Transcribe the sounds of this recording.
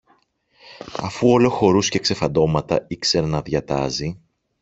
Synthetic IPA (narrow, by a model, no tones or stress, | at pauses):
ɐfuo̞lo̞xo̞ɾusce̞kse̞fɐnd̪o̞mɐt̪ɐikse̞ɾɐnɐðʝɐt̪ɐ̰zi